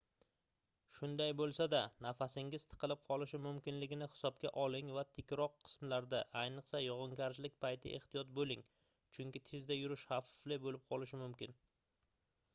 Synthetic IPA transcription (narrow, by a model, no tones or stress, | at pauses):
ʃʊnd̪ajbolˠsad̪anafasɪŋɪz̥t̪ʰɨ̥qʰɨlɪp̚qʰɒlˠɪʃɪmʊmkʲɪnlɪɡʲɪnɪhɪ̥sɒb̚kʲaʔɒlˠɪŋvat̪ʰɪkʲɾɒqʰːɨ̥smlaɾd̪aʔajnɨqsajɒʁɨŋkʲʰaɾɪʃlɪk̚ʲpajt̪ʰɪ̰ʔe̞̰ht̪ijɒt̪̚bolɪŋ | t͡ʃʰʊŋkʲɪt̪ʰezd̪ajʊɾɪʃhafɪ̥flɪbolɪp̚qʰɒlˠɪʃ̬ɪmʊmkʲɪn